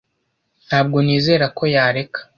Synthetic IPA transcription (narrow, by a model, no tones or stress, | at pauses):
n̥haːb̚ɡo̞niːze̞ːɾakʰo̞jaːɾe̞kḁ